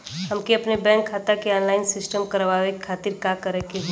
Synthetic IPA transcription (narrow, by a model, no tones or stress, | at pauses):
hɐmkeɐpnebɛ̃ːŋkʰːaːt̪akeɔːnlaːɪnsɪsʈəmkəɾʋaːʋeaːt̪iɾkakəɾekeɦ